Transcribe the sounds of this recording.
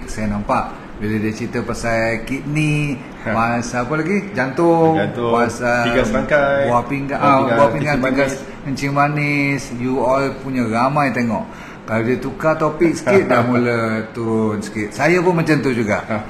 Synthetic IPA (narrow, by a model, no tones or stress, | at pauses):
sajanampaʔ | bilədiət͡ʃit̪əpasakit̪̚ni | pasapəlaɡid͡ʒant̪ʊŋpasaaabapiŋɡaʔabuahpiŋɡanpiŋɡas | kəɲt͡ʃimanɪsjualpuɲaɾamajt̪eŋɔ̰ʔ | kaladiət̪ukat̪opɪk̚sə̥kɪt̪̚damulət̪uɾʊnsə̥kɪt̪̚sajapʊnmat͡ʃant̪ud͡ʒuɡa̰ʔ